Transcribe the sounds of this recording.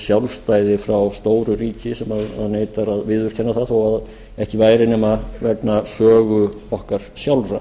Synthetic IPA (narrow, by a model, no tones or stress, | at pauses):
sjawlst̪aːjðɪfɾawst̪oːwɾʏɾiːcɪsɛmaða̰ðneːjt̪aɾaðvɪːðʏɾ̥cʰɛnːaθaðθowað | ɛhcɪvaːjɾɪnɛmaðvɛpnasœːɣʏ | ɔhkaɾ̥sjawlɾa